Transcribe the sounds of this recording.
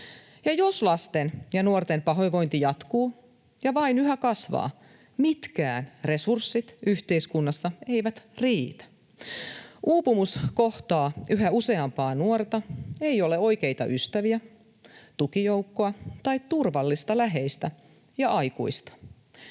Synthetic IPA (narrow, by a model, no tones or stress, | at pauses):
jɑjo̞slɑst̪enjɑnuort̪empɑɦo̞jʋo̞jnt̪ijɑt̪kuː | jɑʋɑinyɦækɑsʋɑ̰ː | mit̪kæ̰ːnre̞sursːit̪yht̪e̞iskunːɑsːɑeiʋæt̪riːt̪æ̥ | ʔuːpumuskoht̪ɑːʔyɦæuse̞ɑmpɑːnuort̪ɑeijo̞leo̞jke̞it̪ɑ̰ʔyst̪æʋiæ | t̪ukijoukːoɑt̪ɑit̪t̪urʋɑlːist̪ɑlæɦejst̪æ | jɑʔɑjkṵist̪ɑ̥